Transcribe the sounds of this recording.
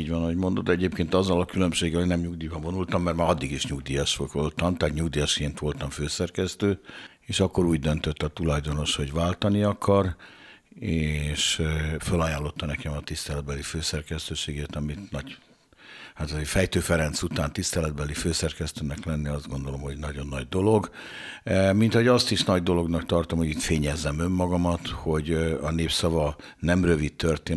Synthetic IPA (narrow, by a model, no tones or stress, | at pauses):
iːɟʋɒnɒɦoɟmo̞nd̪ot̪ɛɟeːpkeːnt̪ɒzːɒlɒkylø̞mʃeːɡɛlonɛmɲuɡd̪iːbɒvo̞nult̪ɒmːɛrmaːɾɒd̪ːiɡiʃɲuɡd̪ijɒʃʋokʋolt̪ɒmt̪aːt̪ɲuɡd̪ijɒʃkeːnt̪ʋo̞lt̪ɒɱføːsɛrkɛst̪øː | eːʃɒkːo̞ɾuːɟd̪ønt̪øt̪ːɒt̪ulɒjd̪o̞no̞ʃho̞ɟʋaːlt̪ɒniɒkʰɒr | eːʃfølaːjaːlːo̞t̪ːɒnɛkɛmɒt̪ist̪ɛlɛd̪bɛliføːsɛrkɛst̪øːʃeːɡeːt̪ɒmit̪nɒɟ | hat̪ɒzeːfɛjt̪øːfɛɾɛnt̪sut̪aːnt̪ist̪ɛlɛd̪̚bɛliføːsɛrkɛst̪øːnɛklɛnːiɒzd̪ɡo̞nd̪o̞lo̞mho̞ɟnɒɟo̞nːɒɟd̪o̞lo̞ɡ | mint̪ɒɦoɒst̪iʃnɒɟd̪o̞lo̞ɡnɒkt̪ɒrt̪o̞mho̞ɟit̪feːɲɛzːɛmø̞mːɒɡɒmɒt̪ho̞ɟɒneːpsɒvɒ | nɛmrø̞vit̪ːørt̪eː